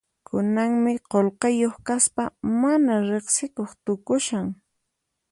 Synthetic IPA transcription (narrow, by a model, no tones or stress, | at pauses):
kʰʊnaŋmɪqolqɑjoχkaspamanaɾeχsɪkoχt̪ʊkʊʃaŋ